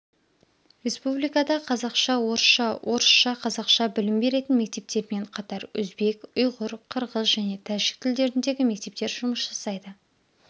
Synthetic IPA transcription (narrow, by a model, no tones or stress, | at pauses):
ɾe̞spublijkɑd̪ɑqʰɑzɑqʃɑwo̞ɾəsʃɑwʔo̞ɾəʃʃɑqʰɑzɑqʃɑbɪlɪmbe̞ɾe̞t̪ɪnme̞k̚t̪e̞p̚t̪e̞ɾɪme̞ɴqʰɑt̪ɑɾɵ̰zbe̞kʊjʁʊɾqʰəɾʁəzʒæne̞t̪ʰæʒɪk̚t̪ʰɪld̪e̞ɾɪnd̪e̞ɡʲɪme̞k̚t̪e̞p̚t̪e̞ɾʒʊməsʒɑsɑjd̪ə